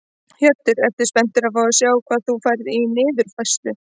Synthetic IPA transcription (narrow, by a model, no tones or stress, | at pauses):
hjœt̪ːɪɾɛft̪ɪ̥spɛn̥t̪ɪɾaðfawðʏsjaːwkʰvaːðθufaːjɾɪðinɪːðʏɾ̥fajst̪ʏ